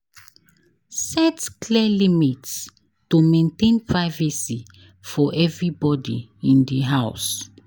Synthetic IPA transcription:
sɛtkliɛlimits | tumẽntẽnpʰɹaɪvɛsi | fɔʔɛvɹibɔdḭĩndiɦaʊs

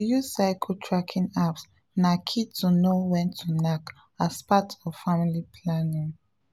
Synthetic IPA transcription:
jusaɪkʰotʰɹakʰĩnaps | nakʰitunowɛ̃ntʰunak | aspatɔv̥familipʰlãnĩŋ

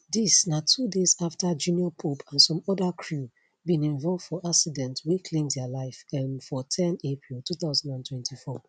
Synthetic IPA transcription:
disnatʰudezaftad͡ʒũniɔpʰopʰãnsɔ̃mɔdakʰɹu | bĩnĩnvɔlvd̥fɔʔaksidɛ̃ntwekʰlẽmdɛalaɪfɛnfɔtʰɛ̃nepʰɹilˠtuθaʊzɔ̃ndãntʰwɛ̃ntʰifɔ

